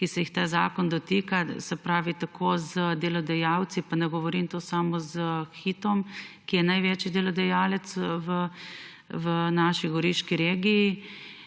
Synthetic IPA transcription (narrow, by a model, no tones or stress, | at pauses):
kisɛjixt̪aːza̰ːkɔnd̪ɔt̪iːkasɛpɾaːʋit̪akʰoːzəd̪ɛlɔd̪ɛjaːwt̪sipanɛɡɔʋɔɾint̪osaːmɔzəxiːt̪ɔmkijɛnajʋeːt͡ʃid̪ɛlɔd̪ɛjaːlɛt̪sʋə | ʋənaːʃiɡɔɾiʃkiɾeːɡiji